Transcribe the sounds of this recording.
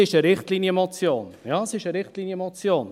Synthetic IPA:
ɪʃəɾɪχtliːnjəmɔt͡sjoːnjɑsɪʃəɾɪχtliːnjəmɔt͡sjoːn

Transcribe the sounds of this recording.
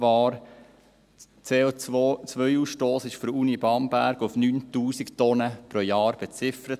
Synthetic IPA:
vɑːɾ | t͡seot͡sʋœjuːsʃtoːsɪʃfyɾuːnibɑːnbæɾɡʊfnyːntuːsiktɔnəpɾojɑːɾb̥et͡sɪfəɾət

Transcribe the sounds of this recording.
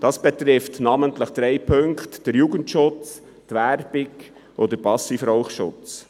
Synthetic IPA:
d̥ɑsb̥ɛt̪ɾɪftnɑːməntləχd̪̥ɾɛɪpʰɵŋktd̥əɾjuːɡəntʃʊt͡s | tʋærb̥ɪɡ | ʔod̪əɾpɑsifɾɔʊχʃʊ̰t͡s

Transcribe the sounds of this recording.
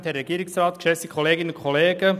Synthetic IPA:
t̪ɛɾːɛɡ̥iːɾɪksrɑːt̪kʃɛsikʰoleːɡɪnəʊnkʰoleːɡ̥ə

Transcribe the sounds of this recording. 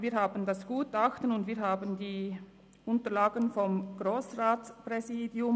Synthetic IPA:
viːɐɦhaːbən̩dasɡ̥uːtaxtənʊndviːɦaːbəndiː | ʔʊntəɾlaːɡənfɔmɡ̥ʁoːsʁaːtspʁɛziːdjʊm

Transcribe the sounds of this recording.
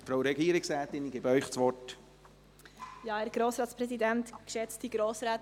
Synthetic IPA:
fɾawɾɛɡiːəɾɪksɾɛːt̪ɪnɡɪbœʏχt͡sʋɔrt | jɑːæɾɡ̥ɾoːsɾɑːtspɾɛsidænt̪kʃɛt͡stiɡ̥ɾoːsɾaːt

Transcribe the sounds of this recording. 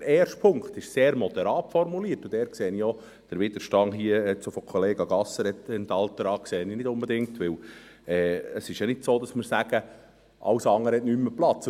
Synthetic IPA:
əɾɛːrʃtpʰʊŋkχt̪ɪʃseːɾmɔd̪ɛɾɑːtfɔrmuliːətʊd̥̪ɛːɾkseːənijɔ | d̥əɾʋɪd̪̥əɾʃtɑŋɦiəɛt͡sofokʰɔleːɡɑɡɑsːəɾɛt̪ɛnt̪ɑlt̪əɾɑːkseːəninɪdʊmbɛd̪ɪŋtʋɪlɛːəsɪʃjɑnɪdsoːdɑsməɾsæɡ̥ə | ʔɑ̰wsɑŋːəɾhɛtnymːəplɑt͡s

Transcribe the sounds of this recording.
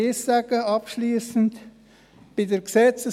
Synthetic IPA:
esaɡəɑpʃliːsənt | b̥ɪdeɡsɛt͡sə

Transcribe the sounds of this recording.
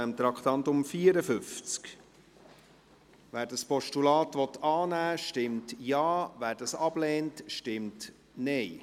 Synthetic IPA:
ɛmt̪ɾɑkʰt̪ɑnt̪ʊmfiːəɾəfʏft͡sk | væːɾdɑspɔʃtulɑːtʋɔt̪ːɑːnæːʃtɪmtjɑːvæːɾdɑsɑb̥lɛːntʃtɪmt | nɛɪ

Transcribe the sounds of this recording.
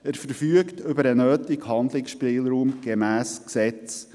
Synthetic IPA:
əɾfəɾfyəktʏbəɾənøːtɪkhɑnd̪lɪksʃpɪːlɾuːmɡ̥emæːsksɛt͡s

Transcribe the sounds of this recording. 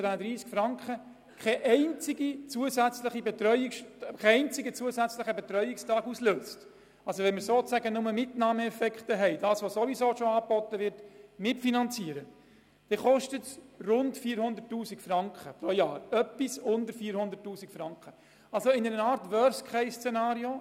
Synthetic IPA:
ʋænədɾiːskfɾɑŋkχə | kʰɛʔɛɪnt͡sɪɡit͡suəsæt͡sləχibɛtɾœʏɪkʃkʰɛɛɪnt͡sɪɡət͡suəsæt͡sləχəbɛtɾœʏɪkstɑːɡusløːst | ɑlsoʋɛnmɪɾsoːt͡sæɡənʊməmɪtnɑːməɛfɛkχtəɦɛɪdɑːsʋosoʋisoːʃoɑːbɔtːəʋɪɾtmɪtfinɑnt͡siəɾə | d̥ɛːχɔʃtətrʊntfiːəɾhʊnd̪ətːuːsikfɾɑŋkχəpɾojɑːɾœpːisʊndəɾfiːɾhʊnd̪əɾtːuːsikfɾɑŋkχə | ɑlsoɪnəɾəɑːɾtʋœɾskχɛɪst͡sɛnɑːɾio

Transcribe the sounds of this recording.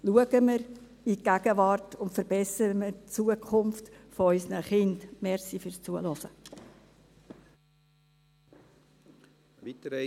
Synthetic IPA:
luəɡəməɾ | iɡ̥æɡ̥əvɑrtʊntfəɾbɛsəɾəmət͡suəkʰχʊmftfoœʏsnəχɪndmɛɾsifʏɾst͡suəlɔsə | itəɾ

